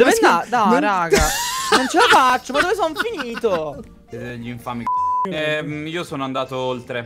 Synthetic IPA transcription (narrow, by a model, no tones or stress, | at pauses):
d̪ovead̪aɾaːɡanont͡ʃelafat͡ʃːomad̪oves̬oɱfiniːt̪o | ʎiɱfaːmiɛiːosoːnoand̪aːt̪oolt̪ɾe